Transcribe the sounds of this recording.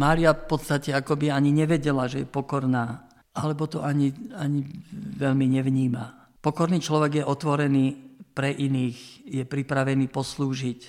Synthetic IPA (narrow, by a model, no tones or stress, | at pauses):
maːɾiafpɔt̪st̪acɛakɔbiaɲiɲɛʋɛɟɛlaʒɛjɛpɔkɔɾnaː | ʔalɛbɔt̪ɔʔaɲiaɲiʋɛʎmiɲɛʋɲiːma | pɔkɔɾniːt͡ʃlɔʋɛɡjɛʔɔt̪ʋɔɾɛniːpɾɛʔiniːxjɛpɾipɾaʋɛniːpɔsluːʒic